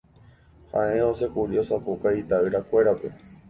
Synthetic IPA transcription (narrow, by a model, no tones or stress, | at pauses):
hã̰ʔẽose̞kuɾio̞sapukait̪aɨɾakʷe̞ɾape̞